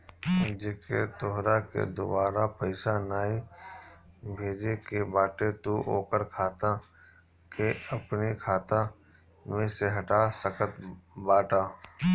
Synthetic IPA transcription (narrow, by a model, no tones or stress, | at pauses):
d͡ʒɪkḛt̪ʊɦɾakḛd̪ʊbaːɾapəɪsanaːi | bʱeːd͡ʒekebaːʈet̪uʔo̰ːkəɾkʰaːt̪ã | keɐpnikʰaːt̪ã | mẽseɦɐʈasəkət̪baːʈaː